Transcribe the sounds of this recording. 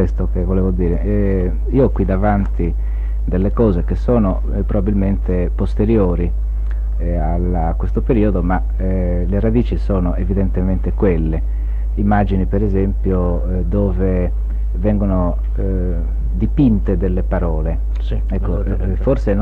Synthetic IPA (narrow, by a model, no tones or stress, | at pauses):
west̪okevoleːvod̪iːɾeʔɛ | iːokwid̪avant̪i | d̪elːekɔːzekesoːno | pɾobabilment̪e | post̪eɾjoːɾi | alakːwest̪opeɾiːod̪oma | leɾad̪iːt͡ʃisoːnoʔevid̪ent̪ement̪ekwelːe | imːad͡ʒinipeɾezempjo | d̪oːve | vɛŋɡono | d̪ipint̪ed̪elːepaɾɔːle | ɛkːo | forsen